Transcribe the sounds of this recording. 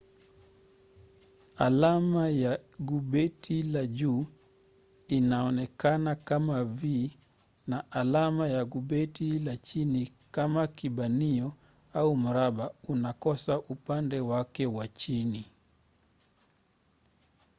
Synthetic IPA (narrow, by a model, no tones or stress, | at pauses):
a̰lamajaɡuɓɛtʰilaʄuː | inaɔnɛkanakamavi | naʔalamajaɡuɓɛtilat͡ʃini | kamakiɓaniɔ | aum̩ɾaɓaunakɔsaʔupandɛwakɛwat͡ʃini